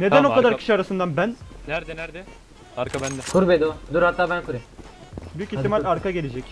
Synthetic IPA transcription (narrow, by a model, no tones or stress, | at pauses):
ne̞d̪ænokad̪aɾcʰi̥ʃiaɾasɯnd̪anbæn | kʰuɾbed̪od̪uɾhat̪ːaːbænkʰuɾebyjycitt̪ːimalaɾkaɡe̞lʲed͡ʒɛcʲ